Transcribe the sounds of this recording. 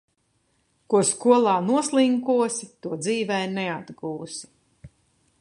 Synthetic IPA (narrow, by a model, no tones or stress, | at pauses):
kuɔskuɔlˠaːnuɔslˠiŋkuɔsit̪uɔd̪ziːvɛjnɛad̪ɡuːsi̥